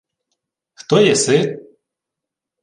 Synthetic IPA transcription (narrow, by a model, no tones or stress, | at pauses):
xt̪ɔjɛsɪt̪